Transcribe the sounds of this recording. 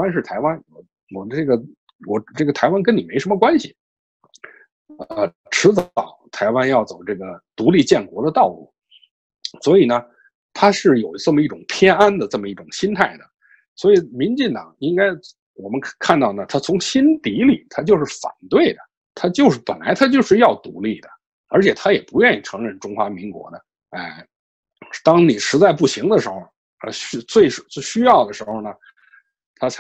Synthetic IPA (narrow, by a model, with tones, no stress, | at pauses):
a˥nʂ̬ɻ̩˥˩t̪ʰa˧˥ɪwa˥nwɔ˨˩ | wɔ˨˩ʈ͡ʂɤ˥˩ɡə˩ | wɔ˨˩ʈ͡ʂɤ˥˩ɡə˩t̪ʰa˧˥ɪwa˥nk̬ə˥ni˨˩me˧˥ɪʂə˧˥mə˧kwa˥nɕi˨˩˧ | ʈ͡ʂʰɻ̩˧˥t͡sɑ˨˩˦ʊt̪ʰa˧˥ɪwa˥njɑ˥˩ʊt͡so˨˩ʊʈ͡ʂɤ˥˩ɡə˩t̪u˧˥li˥˧t͡ɕjɛ˥˩nkwɔ˧˥d̪ə˧t̪ɑ˥˧ʊlṵ˥˩ | swɔ˧˥i˨˩nə˦ | t̪ʰa˥ʂɻ̩˥˩jo˨˩ʊʈ͡ʂə˥˩mə˩i˥˩ʈ͡ʂʊ˨˩ŋpʰjɛ˥na˥nd̪ə˨ʈ͡ʂə˥˩mə˩i˥˩ʈ͡ʂʊ˨˩ŋɕi˥nt̪ʰa˥˩ɪd̪ə˩ | swɔ˧˥i˨˩mi˧˥nt͡ɕi˥˩ŋt̪ɑ̰˨˩˦ŋi˥ŋka˥ɪ | wɔ˨˩mə˦nkʰa˥˧nt̪ɑ˥˩ʊnə˩t̪ʰa˥t͡sʰʊ˧˥ŋɕi˥nt̪i˧˥li˨˩t̪ʰa˥t͡ɕjʊʂɻ̩˥˩fa̰˨˩nt̪we˥˩ɪd̪ə˩ | t̪ʰa˥t͡ɕjo˥˧ʊʂɻ̩˥˩pə˨˩nla˧˥ɪt̪ʰa˥t͡ɕjo˥˧ʊʂɻ̩˥˧jɑ˥˩ʊt̪ṵ˧˥li˥˩d̪ə˩ | ə˞˧˥t͡ɕʰjɛ˨˩t̪ʰa˥jɛ˨˩pu˧˥ɥɛ˥˧ni˥˩ʈ͡ʂʰɤ˧˥ŋɻə˥˩nʈ͡ʂʊ˥ŋxwa˧˥mi˧˥ŋkwɔ̰˧˥d̪ə˧ | a˥˩ɪ | t̪ɑ˥ŋni˨˩ʂɻ̩˧˥t͡sa˥˧ɪpu˥˩ɕi˧˥ŋd̪ə˧ʂɻ̩˧˥xo˧ʊ | ə̰˧ɕt͡swe˥˩ɪʂɪɕy˥jɑ˥˩ʊd̪ə˩ʂɻ̩˧˥xo˧ʊnə˩ | t̪ʰa˥